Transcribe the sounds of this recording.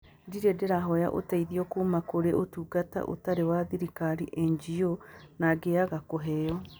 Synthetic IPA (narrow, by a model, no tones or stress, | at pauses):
ndiɾedeɾaɦɔja̰ʔo̰taiðiɔkomakoɾeʔotuːɡata̰ʔo̰taɾewaðiɾikaɾiʔɛɲd͡ʒionaɡeaɣakoɦɛjɔ